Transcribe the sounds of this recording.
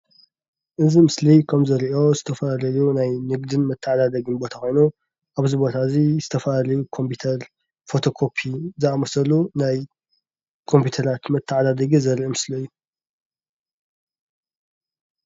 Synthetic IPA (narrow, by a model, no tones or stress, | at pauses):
ʔɨzimɨslikʰɐmzɐɾiʔo̞zɨt̪ʰɐfɐlalɐjunajnɨɡd̪ɨnmɐt̪ʰːaʕad̪ad̪ɐɡɨnbo̞t̪ʰakʰo̞jnu | ʔaβzibo̞t̪ʰazizɨt̪ʰɐfɐlalɐjukʰo̞mpʰiut̪ʰɐɾ | fo̞t̪ʰo̞kʰo̞pʰizɨamɐsɐlunaj | kʰo̞mpʰjut̪ʰɐɾat̪mɐt̪ʰːɐʕad̪ad̪ɐɡizɐɾʔimɨslɐjːu